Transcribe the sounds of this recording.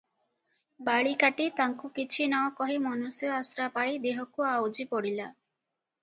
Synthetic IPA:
baɭikaʈit̪aŋkukit͡ʃʰinaɔkɔɦimɔnusjɔasɾapajd̪eɦɔkuawd͡ʒipɔɽila

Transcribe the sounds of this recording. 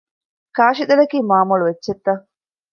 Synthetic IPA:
kaːʃid̪ɐlɐkiːmaːmuluʋedːʃet̪ːɐ

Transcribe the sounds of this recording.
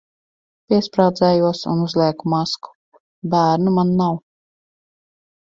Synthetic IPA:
pʲiɛspɾawd̪zɛːjuɔsṵnuzlʲˠiɛkumasku̥ | bæːɾnumanːaw

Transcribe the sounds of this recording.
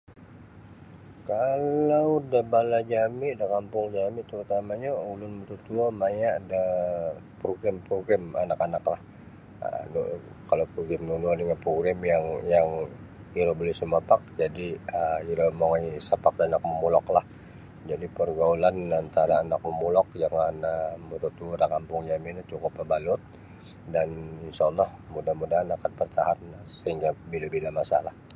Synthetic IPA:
kallawdabalad͡ʒamɪʔdakampʊŋd͡ʒamɪt̪əɾut̪amaɲaulʊnbət̪ut̪uamajaʔda | pɾoɡɾampɾoɡɾɛmanakanaklah | ə̰nu | kalawpɾoɡɾɛmnunuaniŋapɾoɡɾamjaŋjaŋ | iɾobəlɪsəmapak̚d͡ʒadiəiɾomoŋajsapak̚danak̚məmulɔklah | d͡ʒadipərɡaulanant̪aɾaːnak̚məmulɔk̚d͡ʒaŋanəmuɾut̪uɾakampʊŋjaminat͡ʃukʊpːabalʊt̪̚ | daninsaːlːɔhmudamudaɦanakanbərt̪aɦansəhiŋɡabilabilamasa̰lah

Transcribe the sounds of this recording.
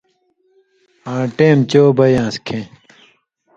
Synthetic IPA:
ãːʈeːmt͡ɕoːbɐjãːskʰẽ

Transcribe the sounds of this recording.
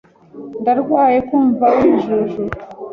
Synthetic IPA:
ndaɾɡwaːjekuɱvaʔumʒeʒu

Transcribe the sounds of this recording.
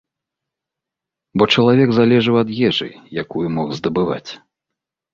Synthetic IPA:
bɔt͡ʂɐlˠavʲɛɡzalʲɛʐɨwɐd̪jɛʐɨ̰jakujumɔxzd̪ɐbɨva̰t͡sʲ

